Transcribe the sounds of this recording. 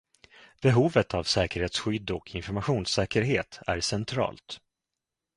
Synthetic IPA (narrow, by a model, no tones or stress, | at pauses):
b̥ɛɦuːvət̪ʰavsɛːkəɾheːt̪sɧʏd̪ːɔkʰɪnfɔɾmaɧuːnsɛːkəɾɦeːt̪ʰæ̰ɾsɛnt̪ʰɾɑ̰ːlt̪